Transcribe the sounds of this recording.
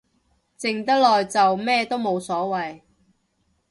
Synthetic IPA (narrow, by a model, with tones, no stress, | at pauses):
t͡sɪ˨ŋt̪ɐ˥k̚lɔː˨jt͡sɐ˨wmɛː˥t̪o˥wmo˨˧wsɔː˨˥wɐ˨j